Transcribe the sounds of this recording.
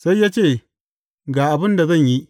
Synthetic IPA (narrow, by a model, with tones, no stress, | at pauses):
sa˦jːaː˦t͡ʃeː˦˨ | ɡaː˨ʔa˨bɪ˦nda˨zɐ˦˨ɲji˦